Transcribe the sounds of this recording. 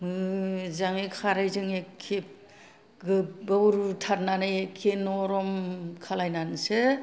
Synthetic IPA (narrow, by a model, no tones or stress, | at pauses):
mɯzaŋekʰaɾajzɯŋekʰːep̚ | ɡɯbɯuɾutʰaɾnanajekʰːenɔɾɔmkʰalajnansɯ